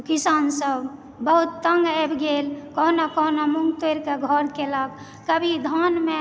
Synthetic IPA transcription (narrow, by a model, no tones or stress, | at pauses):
kisansəb | bəɦut̪ːəŋɡebɡelkɔɦnakɔnamuŋɡt̪eɾkeɡʱəɾkelək̚ː | əbʱid̪ʱanme